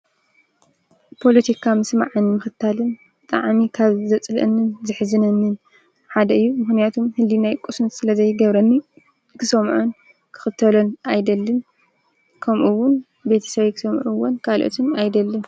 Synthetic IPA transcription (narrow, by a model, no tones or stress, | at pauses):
pʰo̞lɐt̪ʰikʰamɨsma̰ʕɨnmɨxɨt̪ʰːalɨnbɨt̪ʼa̰ʕmikʰaβzɐt͡sʼlʔɨnːɨnzɨħzɨnɐnːɨn | ħad̪ɐɨjːumɨxnijat̪ʰomhɨlːinajkʼusnt̪sɨlɐzɐjɡɐβɾɐnːi | kʰɨsɐmʕun | kʰɨ̥xɨt̪ʰːɐlonʔajd̪ɐlːɨn | kʰɐmʔuwːʊn | be̞t̪ʰɐ̥sɐβejkʰɨ̥sɐmʕuwːonkʰalʔo̰t̪ʰɨnajd̪ɐlːɨn